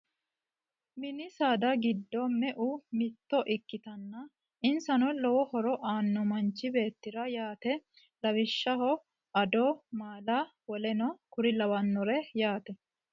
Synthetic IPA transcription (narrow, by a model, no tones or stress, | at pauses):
mɪnɪsaːd̪ɐɡɪd̪ːɔmɛʔʊmɪt̪ːɔʔɪkːɪt̪ɐnːɐ | ɪnsɐnɔlɔwɔhɔɾɔʔaːnːɔmɐnt͡ʃːɪbe̞ːt̪ːɪɾɐjaːt̪ɛ | lɐwɪʃːɐɦɔ | ʔɐd̪ɔːmaːlawɔlɛnɔkʊɾɪlɐwɐnːʊɾɛjaːt̪ɛ